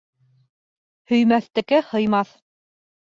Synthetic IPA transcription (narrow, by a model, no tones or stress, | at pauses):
hɵ̆jmæθt̪ɘ̆kɘhɤ̆jmɑθ